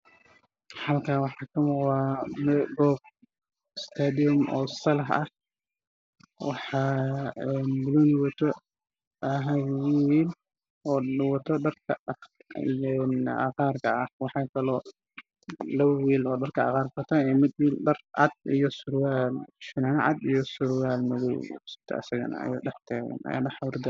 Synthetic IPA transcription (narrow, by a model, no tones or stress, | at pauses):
ħɑlkʰaːwɑħɑːkʰɐmʊwaːmɛɡɔːb̚ | ɪst̪ʰad̪iɔmɔ̰ːsɐlɐɦɐ̰h | wɑħɑːɛnbʊlunwɐt̪ʰɔ | ʔɐɦɐwwiːl | ɔːwɐt̪ʰɔɖɐrkʰɐ | ḭjnɐ̰qaːrkʰɐʔɐhwɑħɑːkʰɐlɔː | lɐβɐwiːlɔːɖɐrkʰɐɐ̰qɑːrfɐt̪ʰaɛmɪd̪wiːlɖɐrʕɑ̰d̪̚ijɔsʊɾwaːlʃɪnanʕɑ̰d̪ijɔsʊɾwaːlmɐðɔwsɪ̥t̪ʰɐ̰ɐ̰sɐɣɐ̰nɐ̰ɐ̰ja̰ːɖɑħt̪ʰaːɣɐ̰nɐ̰ja̰nɐħɑwɾd̪ɐ